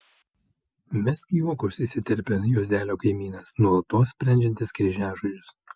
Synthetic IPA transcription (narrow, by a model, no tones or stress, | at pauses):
mʲɛsʲkʲjuɔkʊsiːˑsʲɪt̪ʲɛɾʲpʲojuɔzʲd̪ʲæːlʲoːkɐɪmʲiːnɐsnuɔlˠt̪oːssʲpʲɾʲɛnʲd͡ʒʲɛnʲt̪ʲɪskɾʲɪʒʲæːʒʊd͡ʒʲʊs